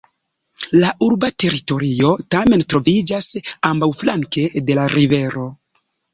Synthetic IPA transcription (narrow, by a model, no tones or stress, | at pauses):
laʔuɾbate̞ɾito̞ɾio̞tame̞ntɾo̞vid͡ʒasambawflaŋke̞de̞laɾive̞ɾo̞